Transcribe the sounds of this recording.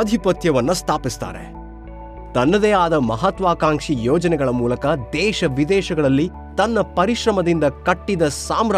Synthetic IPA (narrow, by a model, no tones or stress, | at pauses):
ɐd̪ʱipɐt̪jɐʋɐnːɐst̪ʰaːpist̪a̰ːɾḛ | t̪ɐnːɐd̪eːaːd̪ɐmɐɦɐt̪ʋaːkaːŋʂijoːd͡ʒɐnɛɡɐɭɐmuːlɐkɐd̪ɛːʃɐʋid̪ɛːʃɐɡɐɭɐlːi | t̪ɐnːɐpɐɾiʃɾɐmɐd̪ind̪ɐkɐʈːid̪ɐsaːmɾ